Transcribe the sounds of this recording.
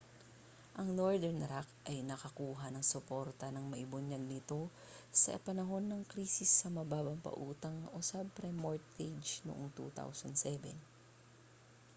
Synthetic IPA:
ʔɐŋnoɹd̪ɛɹnɾakʔɐjnɐkɐkuːɦɐnɐŋsopo̞ɾt̪ɐnɐŋmɐʔɪbʊnɐɡ̚nɪt̪o̞ | sɐ̰pɐnɐɦo̞nːɐŋkɾiːsɪsːɐmɐbaːbɐmpɐ̰ʔuːt̪ɐŋʔosab̚ɾɛmoɹt̪ed͡ʒno̰ʔoŋt̪ṵːt̪a̰wsɐnd̪sɛbɛ̰n

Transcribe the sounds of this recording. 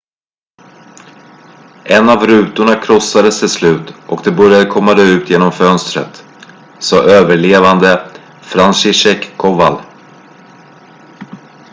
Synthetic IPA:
ʔɛnavɾʉ̟ːt̪ʊɳakʰɾɔsːad̪əst̪ʰɪlslʉ̟ːt̪ʔɔkd̪ɛbœɾjad̪əkʰɔmːad̪ɛʉ̟ːt̪ʰjeːnɔmfœnst̪ɾə̰t̪ | sɑːʔøːvəɭeːvand̪ə | fɾanʂɪʂɛkkʰːɔval

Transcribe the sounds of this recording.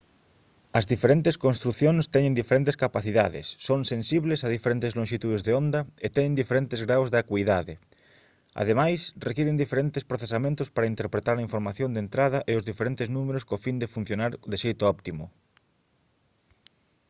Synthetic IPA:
ɐzðifeɾent̪eskonst̪ɾuθjõŋst̪ɛɲẽnd̪ifeɾent̪eskapaθiðaðɪ̰sːoŋsensiβlesað̞ifeɾent̪ezlõŋʃit̪uðezðeond̪aet̪ɛɲẽnd̪ifeɾent̪ezɣɾawzðeakwiðaðe | a̰ðemajsrekiɾend̪ifeɾent̪espɾoθesamẽnt̪ʊspaɾaint̪eɾpɾet̪aɾaiɱfoɾmaθjõnd̪ent̪ɾaðɐʔeozðifeɾent̪eznũmeɾoskofind̪efun̟θjonaɾd̪eʃejt̪ʊɔpt̪imʊ̰

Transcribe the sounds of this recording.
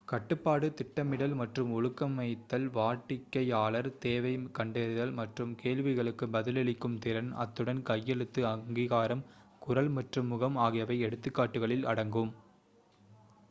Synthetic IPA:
kɐʈːɯpːaːɽɯt̪ɪʈːɐmɪɽɐlmɐʈrɯmʊɻɯkːɐmːɐɪt̪ːɐlʋaːʈːɪkːɐjaːɭɐɾt̪eːʋɐɪkɐɳɖɛɾɪðɐlmɐʈrɯmkeːɭʋɪɣɐɭɯkːɯbɐðɪlɛɭɪkːɯmt̪ɪɾɐnɐ̰t̪ːɯɽɐnkɐjːɛɻɯt̪ːɯɐŋɡiɣaːɾɐmkʊɾɐlmɐʈrɯmːʊɣɐmaːɣɪjɐʋɐɪɛɽɯt̪ːɯkːaːʈːɯɣɐɭɪlɐ̰ɽɐŋɡɯm

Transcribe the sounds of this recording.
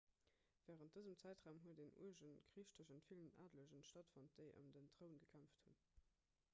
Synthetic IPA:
v̥ɛːʁənt̚d̥əzəmt͡sæɪtʁaːʊmɦuədenṵəʒənkʁiːʃtəʑənfiləna̰ːdləʑənʃtɑtfont̚d̥eɪʔə̰mdəntʁəʊənɡəkʰæmfthun

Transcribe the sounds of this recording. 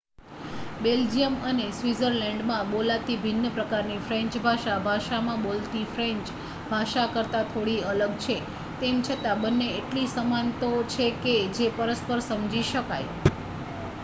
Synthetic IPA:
beld͡ʒijəmənesʋizəɾlɛ̃ɳɖmãbolat̪ibʱinːəpɾəkaɾnifɾɛ̃ɲt͡ʃbʱaʃabʱaʃamãbolt̪ifɾẽɲt͡ʃ | bʱaʃakəɾt̪at̪ʰoɽiələɡt͡ʃʰe | t̪emt͡ʃʰət̪abənːeeʈlisəmant̪ot͡ʃʰeked͡ʒepəɾəspəɾsəmd͡ʒiʃəka̰j

